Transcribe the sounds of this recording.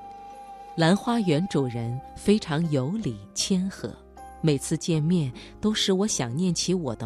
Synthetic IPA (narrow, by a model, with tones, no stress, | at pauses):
la˧˥nxwa˥jɥɛ˧˥nʈ͡ʂu˨˩ɻə˧˥nfe˥ɪʈ͡ʂʰɑ˧˥ŋjo˧˥ʊli˨˩t͡ɕʰjɛ˥nxɤ̰˧˥ | me˨˩ɪt͡sʰɹ̩˥˧t͡ɕjɛ˥˧nmjɛ˥˩n | t̪o˥ʊʂɻ̩˥˩wɔ˧˥ɕjɑ˨˩ŋnjɛ˥˩nt͡ɕʰi˧˥wɔ̰˨˩d̪ə˦